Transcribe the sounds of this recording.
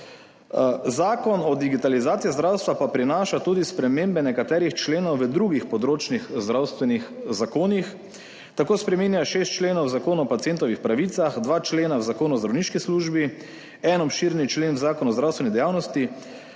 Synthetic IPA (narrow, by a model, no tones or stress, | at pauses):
zaːkɔnɔd̪iɡit̪alizaːt̪sijizd̪ɾawst̪ʋapapɾinaːʃat̪uːd̪ispɾɛmeːmbɛnɛkat̪ɛːɾixt͡ʃleːnɔwʋəd̪ɾuːɡixpɔd̪ɾoːt͡ʃnixzd̪ɾawst̪ʋɛnixzakoːnix | t̪akoːspɾɛmiːnjaʃeːst̪t͡ʃleːnɔwzakoːnuɔpat̪sient̪ɔʋixpɾaʋiːt̪saxd̪ʋaːt͡ʃleːnawzakoːnuɔzd̪ɾawniːʃkisluːʒbi | ɛnɔpʃiːɾnit͡ʃleːnwzaːkɔnuɔzd̪ɾawst̪ʋɛnid̪ɛjaːwnɔst̪i